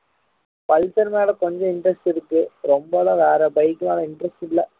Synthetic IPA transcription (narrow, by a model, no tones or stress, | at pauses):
pɐlt̪ːɐɾmjaːɽɐkɔɲd͡ʑõɪɳɖɾɐsʈiɾɯkːɯɾɔmbɐlɐʋaːɾɐbɐɪkːɯnaːɽɐɪɳɖɾɐsʈɪlːɐ